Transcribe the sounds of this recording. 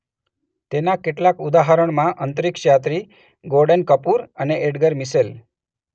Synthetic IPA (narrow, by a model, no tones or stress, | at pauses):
t̪enakeʈlakud̪aɦəɾəɳmãʔənt̪əɾikɕjat̪ɾiː | ɡoɾɖənkəpuːɾəneʔeɽɡəɾmisel